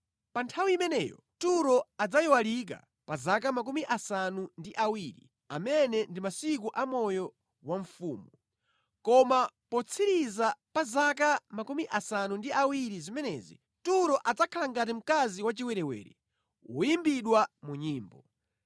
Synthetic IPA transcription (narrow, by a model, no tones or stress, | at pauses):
pantʰawiimɛnɛːjɔ̰ | tuɾɔad͡zajɔwalik̬a̰ | pazak̬amak̬umiʔasanundiʔawiɾḭ | a̰mɛnɛndimasik̬uʔamɔjɔ | waɱfuːmu | kɔmapɔt͡sʰiɾizapazakamakumiʔasanundiʔawiɾizimɛnɛːzḭ | tuɾɔʔad͡zakʰalaŋɡat̬im̩kaziwat͡ʃiwɛɾɛwɛ̰ːɾḭ | wṵjimbiɗwamuɲiːmbɔ